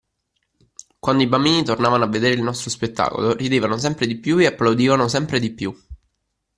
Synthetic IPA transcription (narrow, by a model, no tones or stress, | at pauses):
kwand̪oibambiːnit̪ornaːvanoavːed̪eːɾeilnɔst̪ɾospet̪ːa̰ːko̰loɾid̪eːvanos̬ɛmpɾed̪ipjueapːlawd̪iːvanosɛmpɾed̪ipju